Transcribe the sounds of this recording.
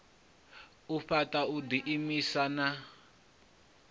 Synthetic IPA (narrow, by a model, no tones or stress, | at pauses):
uɸatʼaudiʔimisana